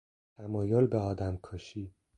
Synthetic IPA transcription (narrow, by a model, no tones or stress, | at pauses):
t̪ʰæmɒːjolbeɒːd̪æmkʰɒʃiː